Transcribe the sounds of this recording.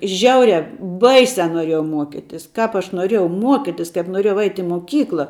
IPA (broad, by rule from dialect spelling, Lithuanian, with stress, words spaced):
ˈʒʲɛʊrʲɛ ˈbɐɪsʲɛ noːˈrʲiɛjɛʊ ˈmuɔkʲɪtʲɪs ˈkɐp ɐʃ noːˈrʲiɛjɛʊ ˈmuɔkʲɪtʲɪs kɐɪp noːˈrʲiɛjɛʊ ɐɪtʲ ɪ moːˈkʲiːklˠɐ